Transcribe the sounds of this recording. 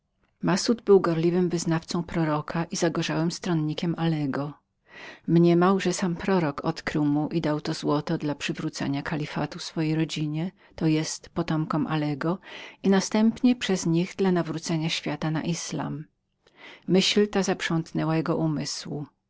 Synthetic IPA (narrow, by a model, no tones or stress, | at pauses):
masud̪bɘwɡɔɾlʲivɘmvɘznaft̪sɔ̃w̃pɾɔɾɔkʰaʔizaɡɔʐawɛmst̪ɾɔnɲikʲɛmʔalɛɡɔ | mɲɛmawʐɛsampɾɔɾɔkɔt̪kɾɘwmuʔid̪awt̪ɔzwɔt̪ɔd̪lapʂɘvɾut̪sɛ̰ɲakʰalʲifa̰t̪ufsfɔjejɾɔd͡ʑiɲɛ | t̪ɔjɛst̪pɔt̪ɔmkɔmʔalɛɡɔinast̪ɛmpɲɛpʂɛzɲiɣd̪lanavɾut̪sɛɲaɕfʲjat̪ana̰ʔisla̰m | ɘɕlt̪azapʂɔ̃nt̪nɛwajɛɡɔʔumɘswṵ